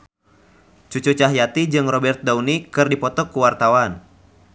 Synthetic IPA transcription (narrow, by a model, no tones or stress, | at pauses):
t͡ʃut͡ʃut͡ʃaɦjat̪id͡ʒɨŋrɔbɛrt̪̚daunikɨrdipɔt̪ɔkuwart̪awan